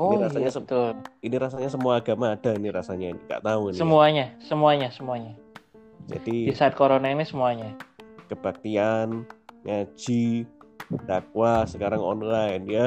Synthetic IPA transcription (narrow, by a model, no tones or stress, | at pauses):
oiɾasaɲasət̪ʊriniɾasaɲasəmuaːɡamaːdainiɾasaɲaniŋɡa̰ʔt̪aunsnəmuaɲasəmuaɲasəmuaɲa | d͡ʒ̥a̰didisaat̪̚koɾonainisəmuaɲakəb̥ak̚t̪ianɲḁd͡ʒ̥i | d̥akwasəkaɾaŋɔ̰nlajɪndia